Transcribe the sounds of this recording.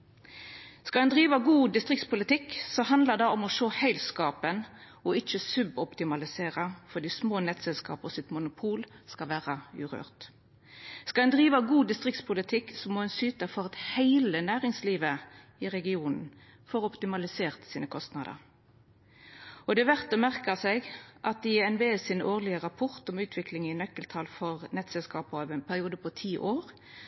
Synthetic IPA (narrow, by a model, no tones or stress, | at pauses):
skɑɛnd̪ʁiːʋəɡuːd̪ɪst̪ʁɪkt̪spʊlɪt̪ɪksɔhɑnd̪ləd̪ɛɔmɔʂoːhæɪlskɑːpən | ɔɪt͡ʃːəsʉbɔpt̪ɪmɑlɪseːʁəfɔd̪iːsmoːnɛt̪sɛlskɑ̰ːpɔsɪt̪mʊnʊpʰuːlskɑʋæːʁəʉ̰ːʁø̰ːʁt̪ | skɑɛnd̪ʁiːʋəɡuːd̪ɪst̪ʁɪkt̪spʰʊlɪt̪ʰɪksɔmɔːɛnsyːt̪əfɔʁɑt̪hæɪlənæːʁɪŋsliːʋə | ɪʁɛɡɪuːnn̩ | foːʁɔpt̪ɪmɑlɪseːʁt̪siːnəkʰɔst̪nɑd̪ə̰ʁ | ɔd̪ɛæʋæʁt̪ɔmæʁkəsɛɪɡʔɑt̪̚ɪɛnʋeːsɪnʔoːʁlɪəʁɑpʰɔʁt̪ɔmʉːt̪ʰʋɪklɪŋɪnœkːəlt̪ʰɑlfɔʁnɛt̪sɛlskɑːpɑʋɛnpʰæʁɪuːd̪əpʰɔt̪ʰiːʔoːʁ